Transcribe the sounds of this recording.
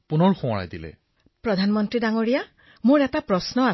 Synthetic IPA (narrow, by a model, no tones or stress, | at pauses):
punɔɹxɔ̃ɹa̰jdilɛ̰ | pɹɔdʱanmɔntɹidaŋoɹija | mʊɹɛtapɹɔsnɔa